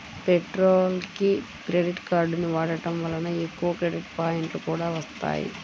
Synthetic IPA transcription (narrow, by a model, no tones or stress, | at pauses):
peʈɾoːlki | kɾeɖiʈkaːɾɖniʋaːɽɐʈɐmʋɐlːɐnɐekːuʋɐkɾeɖiʈpaːjɐɳʈlukuːɽaːʋɐst̪a̰ːjḭ